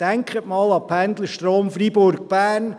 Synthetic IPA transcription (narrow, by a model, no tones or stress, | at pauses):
d̥æŋkχətmɑːlɑpʰænd̪ləʃtroːmfɾibʊɾɡ̚b̥æːn